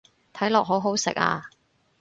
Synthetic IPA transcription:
t̪ʰɐ˨˥jlɔː˨k̚ɦo˨˥ɦo˨˥wsɪ̰˨k̚a̰ː˧

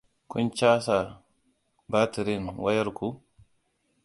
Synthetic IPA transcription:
ku˦nt͡ʃaː˦sa˨ɾ | ba˦ti˨ɾinwa˦ja˦ɾku˦

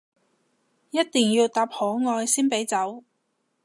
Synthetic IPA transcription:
jɐ˥t̚t̪iː˨ŋjiː˧wt̪aː˧p̚hɔː˨˥ŋɔː˧jsiː˥npe˨˥jt͡sɐ˨˥w

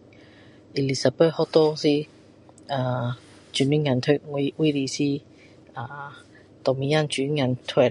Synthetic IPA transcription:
ʔi˨li˨sa˨bɛ˥˩hɔ˦˥t̪ɔ˦si˦ | a˧˩ | t͡ʃy˨˩ni˦ŋa˨˧nt̪ʰø˥˧˩wi˧wi˦ɾi˧˨si˦ | a˧ | t̪ɔ˨mi˨˧˦a˥˨nt͡ʃy˨n˧˦ŋa˨˧˨nt̪ʰwɛ˥˧˩

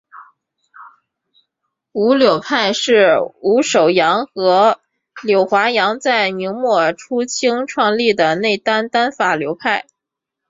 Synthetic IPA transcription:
u˧˥ljo˨˩ʊpʰa˥˧ɪʂɻ̩˥˩u˧˥ʂo˨˩ʊjɑ˧˥ŋxɤ˧˥ | ljo˨˩ʊxwa˧˥jɑ˧˥ŋt͡sa˥˩ɪmi˧˥ŋmwɔ˥˩ʈ͡ʂʰu˥t͡ɕʰi˥ŋʈ͡ʂʰwɑ˥˧ŋli˥˩d̪ə˩ne˥˩ɪt̪a˥nt̪a˥nfa˨˩ljo˧˥ʊpʰa˥˩ɪ

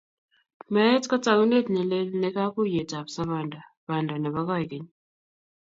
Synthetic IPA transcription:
ma˦jɛ˦t͡ska˦t͡sʼa˨ku˦ne˦di˨nɛ˨le˦lnɛ˦ka˦ku˦jɛ˨ta˨βsa˦βa˨ndʱa˨ | βa˨ndʱa˨nɛ˨βa˦ka˦˨ke˨ɲi

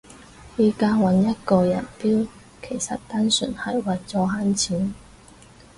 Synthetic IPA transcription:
jiː˦˥kaː˥wɐ˨˥njɐ˥t̚kɔː˧jɐ̰˨˩npiː˥w | kʰe˨˩jsɐ˨t̚t̪aː˥nsy̰ː˨˩nhɐ˨jwɐ˨jt͡sɔː˧ɦaː˥nt͡sʰiː˨˥n

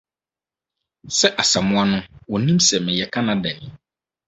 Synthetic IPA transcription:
sɛ˦ʔa˨sa˨mʊ̃˦a˦nʊ̃˦wɔ˨nĩ˦msɛ˨mɪ̃˨jɛ˨kʰã˦nã˦dɛ˨n˨

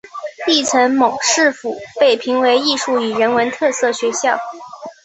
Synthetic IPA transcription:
i˥˩ʈ͡ʂʰə˧˥nmo˨˩ʊʂɻ̩˥˩fu˨˩pe˥˩ɪpʰi˧˥ŋwe˧˥ɪi˥˧ʂu˥˩y˨˩ɻə˧˥nwə˧˥nt̪ʰɤ˥˧sɤ˥˩ɕɥɛ˧˥ɕjɑ˥˩ʊ

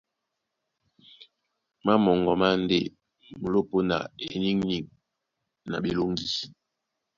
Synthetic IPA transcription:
ma˦mɔ˨ŋɡɔ˨ma˦n˦de˦ | mo˨lo˦po˦na̰˨e˨ni˦ŋni˨ŋ | na̰˨bi˨lo˦ŋ˦ɡi˦

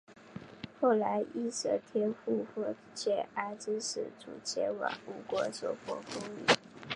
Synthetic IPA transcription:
xo˥˩ʊla˧˥ɪʔi˥˩ʂɤ˧˥t̪ʰjɛ˥nfu˥˧fɔ˥˩ | t͡ɕʰjɛ˥˩a˧˥ɪʈ͡ʂɻ̩˥ʂɻ̩˨˩t͡sṵ˨˩t͡ɕʰjɛ˧˥wɑ̰˨˩u˥˩kwɔ˧˥sɔ˨˩xwɔ˧˥fo˥ŋly̰˨˩˦

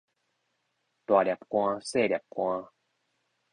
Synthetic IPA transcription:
t̪wa˨˩lʲja˨˩p̚kwã˧se˥˧˨lja˨˩p̚kwã˧

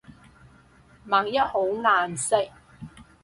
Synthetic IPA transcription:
maː˨ŋ̚jɐ˥t̚ho˨˥wŋaː˨nsɪ˥k̚

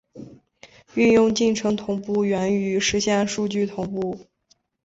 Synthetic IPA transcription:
y˥˧njʊ˥˧ŋt͡ɕi˥˩nʈ͡ʂʰɤ˧˥ŋt̪ʰʊ˧˥ŋpu˥˩ɥɛ˧˥ny˧˥ʂɻ̩˧˥ɕjɛ˥˧nʂu˥˧t͡ɕy˥˩t̪ʰʊ˧˥ŋpu˥˩

